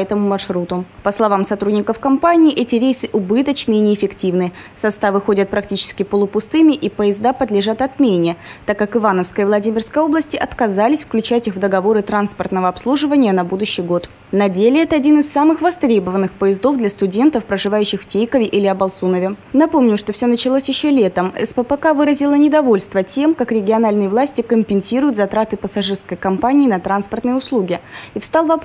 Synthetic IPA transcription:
ɛt̪əmʊmɐrʂɾut̪ʊpəslˠɐvamsɐt̪ɾudʲnʲɪkəfkɐmpanʲɪːʔɛtʲɪɾʲejsɨʔʊbɨt̪ət͡ɕnɨinʲɪːfʲɪktʲivnɨ | sɐst̪avɨxodʲət̪̚pɾɐk̚tʲit͡ɕɪ̥skʲɪpəlˠʊpʊst̪ɨmʲɪʔipəɪzd̪apəd̪lʲɪʐat̪ɐt̪mʲenʲɪət̪akːakɨvanəfskəjəvlˠɐdʲimʲɪrskəjo̞blˠəsʲtʲɪʔɐt̪kɐzalʲɪsʲfklʲʉt͡ɕætʲiɣvd̪əɡɐvo̞ɾɨt̪ɾanspərt̪nəvəɐpslˠuʐɨvənʲɪjənɐbud̪ʊɕːɪjɡo̞t̪ | nɐdʲelʲɪɛt̪əɐdʲinɨsːamɨxvɐst̪ɾʲe̞bəvənːɨxpəjɪzd̪o̞vd̪lʲɐst̪ʊdʲe̞nt̪əfpɾəʐɨvajʉɕːɪxftʲejkəvʲɪʔilʲɪɐbɐlˠsunəvʲɪnɐpo̞mnʲʊʂt̪o̞fsʲonət͡ɕɪlˠosʲjɪɕːolʲe̞t̪əmɛ̰spəpəkavɨɾəzʲɪlˠənʲɪd̪ɐvo̞lʲst̪vətʲe̞mkakɾʲɪɡʲɪɐnalʲnɨjəvlˠasʲtʲɪkəmʲpʲɪnsʲiɾʊjʊt̪zɐt̪ɾat̪ɨpəsɐʐɨrskəjkɐmpanʲɪːnɐt̪ɾanspərt̪nɨjəʊslˠuɡʲɪifst̪alˠvɐp

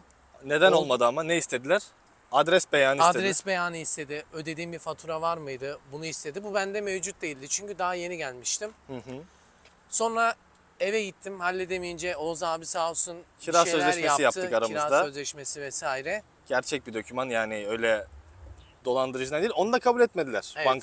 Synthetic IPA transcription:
ne̞d̪æno̞lˠmad̪ɯamaneist̪ʰe̞d̪ilʲæɾ̥ | ad̪ɾɛsbejaːnːad̪ɾɛsbejaːnɯist̪e̞d̪ɪø̞d̪e̞d̪iːmbifat̪ʰuːɾavaɾmɯjd̪ɯbunuist̪e̞d̪ibubænd̪ɛmevd͡ʒut̪̚d̪e̞jilʲd̪ɪt͡ʃʰyɲcyd̪aɦaje̞niɟælʲmiʃt̪ʰimhɯɦɯ | so̞nɾa | e̞vɛɟit̪ʰːimhalʲːɛd̪emijind͡ʒɛozaːbisaːsuncʰiɾɾasøzllʲɛʃjmesijapt̪ʰːɯkaɾamɯɾzad̪aøzlʲɛʃmesivɛsaːiɾɛ | ɟ̥æɾt͡ʃʰɛc̚bid̪o̞cʰymanjaːniø̞jlʲɛ | d̪o̞lˠand̪ɯɾɯd͡ʒɯnad̪iːlʲo̞nud̪akʰabulʲɛt̪med̪ilʲæɾ̥aŋk

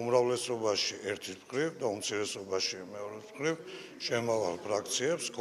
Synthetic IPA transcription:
umɾavlɛsɔbaʃiʔɛɾt̪ʰipχɾivd̪aumt̪sʰiɾɛsɔbaʃimɛɔɾɛspχɾiv | ʃɛmava̰lpʰɾakʰt̪sʰiɛpsɡʰ

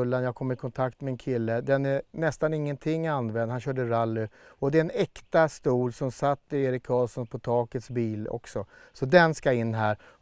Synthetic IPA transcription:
lːanjɑaːɡ̚kʰɔmːɪɾkʰɔnt̪ʰak̚t̪mɛɛnkʰɪlːəd̪ɛnænɛst̪anɪŋːənt̪ʰɪŋːand̪vɛnd̪hanɕœːɖəɾalːɵɔd̪ɛɛnɛkt̪ast̪uːlsɔmsat̪ːɪeːɾɪkkʰːɑːlsɔnpʰɔt̪ʰɑːkət̪sbiːlɔ̰ksɔsɔd̪ɛnskaɪnːɦæːɾ

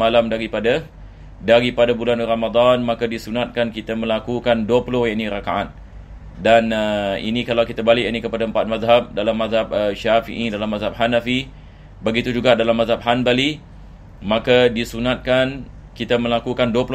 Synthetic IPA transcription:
malamdaɾipada | daɾipadabulanramad̪anmãkadisunat̪̚kankit̪amə̃lakukanduəpulʊhjaʔniɾakaʔa̰t̪̚ | danəḭnikalawkit̪abalɪʔjanikəpadaəmpat̪̚mazɦap̚dalamːaðɦap̚əʃafḭʔidalamːazɦap̚ɦanafi | bəɡit̪ud͡ʒuɡadalamːazɦap̚ɦanbali | mãkadisunat̪̚kan | kit̪amə̃lakukanduəpul

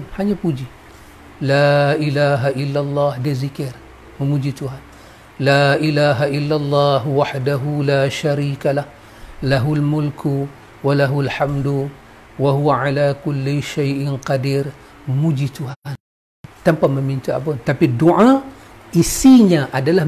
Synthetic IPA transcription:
haɲapud͡ʒi | laːʔɪlaːɦaʔɪlːalˤːɑːhdezikiɾ | məmud͡ʒituhan | laːʔilaːɦaʔɪlːalˤːɑːɦwaħdaɦulaːʃaɾiːkalah | laɦulmʊlkʰu | walaɦulħamduwaɦuwaʕalaːkʊlːiʃajʔɪnqɑdiɾ | məmud͡ʒit̪uɦn | t̪ampaməmint̪ua̰bontapiduʕa | ʔisiɲaʔadalah

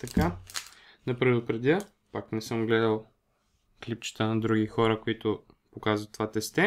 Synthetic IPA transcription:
t̪ɐka | nɐpɾɛd̪ʊpɾɛd̪ʲə | paknɛsɤmɡlɛd̪ɐlˠ | klip̚t͡ʃə̥t̪ənɐd̪ɾuɡixɔɾəkoit̪ʊpokazvət̪ːovat̪ɛst̪ɛ

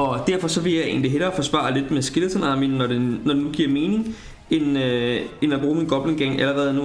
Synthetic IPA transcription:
ɒ̽d̥æɐ̰fɒ̽sɒ̽ʋe̝jɑ̈ɪe̝̰ːn̩liɦelɐfɒ̽sʋɑ̰̈le̝d̥mesɡ̥e̝lsʰɒnɑ̈ːminːɒdenːɒd̥e̝nuɡ̥iɐme̝ːnɪ̝ŋ | enøenæb̥ʁuːminɡ̥ɒ̽b̥leŋɡ̥eŋ̰æləɐʁɛːðˠnu

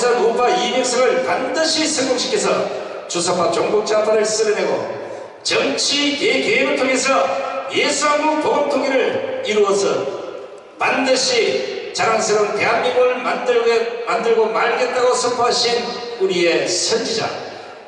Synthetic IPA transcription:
sʰʌnupaiɲiŋsʰʌŋɯɭpandɯɕʰisʰʌŋɡoŋɕʰi̥kʰe̞s̬ʰʌ̰ | t͡ɕusʰaat͡ɕoŋbok̚t͡ɕ͈adwaɾɯɭs͈ɯɾɯneɡo̰ | t͡ɕʌŋt͡ɕʰikekeibɯɭtʰoŋe̞sʰʌjesʰuaŋboŋpoɡomtʰoŋeɾɯɭiɾuʌsʰʌ | pandɯɕʰit͡ɕaɾaŋs̬ʰʌɾoŋte̞ɦamimɯɭmadɯmandɯɭɡomaɭɡe̞t̚t͈aɣosʰʌmpʰoɦaɕʰin | uɾie̞sʰʌnd͡ʑid͡ʑa̰

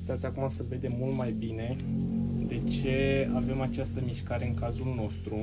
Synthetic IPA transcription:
t̪at̪sʲakumasəve̞d̪e̞mult̪majbine̞ | d̪e̞t͡ʃe̞ave̞mat͡ʃast̪əmiʃkaɾe̞ɨŋkazulno̞st̪ɾu

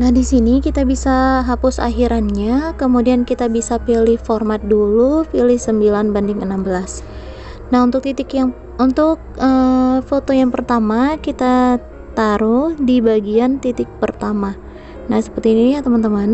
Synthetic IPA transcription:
nahdisinikit̪abisaɦapʊsa̰ɦiɾanɲakəmudiankit̪abisapilɪhformat̪̚dulupilɪhsəmbilanbandɪŋənambəlas | naɦunt̪ʊk̚t̪it̪ɪkjaŋ | unt̪ʊk̚əfot̪ojaŋpərt̪amakit̪a | t̪aɾʊhdibaɡiant̪it̪ɪk̚pərt̪ama | nahsə̥pərt̪iːnijat̪əmant̪əman

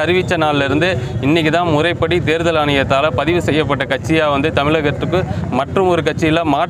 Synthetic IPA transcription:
ɐɾɪʋɪt͡ʃːɐnaːllɪɾɯnd̪ɯɪnːɪk̬ʲːit̪ãːmʊrɐɪpːɐɽit̪eːɾðɐlaːnɪjɐt̪ːaːlɐpɐðɪʋɯsɛjːɐp̬ːɐʈːɐkɐʈ̚t͡ʃːɪjaːʋɐnd̪ɯt̪ɐmɪɭɐɣɐɾɐt̪ːɯkːɯmɐʈrɯmɔɾɯkɐʈ̚t͡ʃːɪjɪlːãːmaːʈ

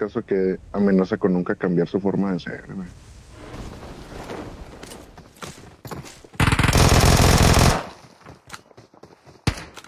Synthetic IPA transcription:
kasokeamenasakonũŋkakambjaɾsufo̞ɾmaðensḛɾḛme

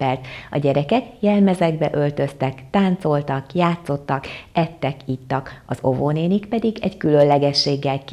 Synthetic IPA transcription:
ɛlt̪ɒɟɛɾɛkɛkjɛlmɛzɛɡbɛʔø̞lt̪ø̞st̪ɛkt̪aːnt̪so̞lt̪ɒkjaːt̪so̞t̪ːɒkɛt̪ːɛkit̪ːɒkɒzo̞̰voneːnikpɛd̪iɡɛckylø̞llːɛɡɛʃːeːɡːɛlk

